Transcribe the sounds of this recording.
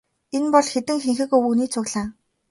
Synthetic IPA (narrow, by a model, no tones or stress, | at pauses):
enpɔɮxet̪ɘ̆ŋxeŋxɘ̆kɵwuniːt͡sʰʊɣɮaː